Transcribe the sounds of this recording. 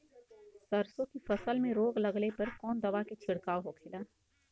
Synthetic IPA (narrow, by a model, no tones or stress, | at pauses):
sɐɾsõkifɐsəlmẽɾoːɡlɐɡlepɐɾkɔːnd̪ɐʋaket͡ʃʰɪɽkaːoɦokʰɪlaː